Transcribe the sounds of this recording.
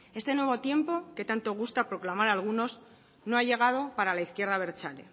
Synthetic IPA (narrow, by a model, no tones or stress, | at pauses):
e̞st̪e̞nwe̞β̞o̞t̪je̞mpo̞ke̞t̪ant̪o̞ɣ̞ust̪apɾo̞klamaɾalɣuno̞z | no̞aʝe̞ɣ̞að̞o̞paɾalaiθkje̞ɾðaβ̞e̞ɾt͡ʃalḛ